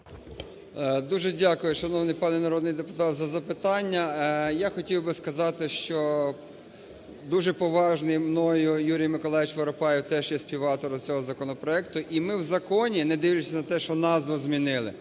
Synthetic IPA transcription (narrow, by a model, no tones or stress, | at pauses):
d̪uʒɛdʲɑkʊjʊʃɐnɔwnɪjpɑnɛnɐɾɔd̪nɪjd̪epʊt̪ɑt̪zɐzɐpɪt̪ɑnʲːɐjaxɔtʲiwbɪskɐzɑt̪ɪʃt͡ʃɔ | d̪uʒɛpɔʋɑʒnɪjmnɔjʊjuɾʲijmɪkɔlˠɑjɪt͡ʃʋɐɾɔpɑjɪwt̪ɛʒjɛsʲpʲiwɑt̪ɔɾɔt͡sʲɔɦɔzɐkɔnɔpɾɔɛkt̪ʊʔimɪwzɐkɔnʲinɛd̪ɪʋlʲʊt͡ʃʲsʲɐnɐt̪ɛʃt͡ʃɔnɑzʋʊzmʲinɪlˠɪ̰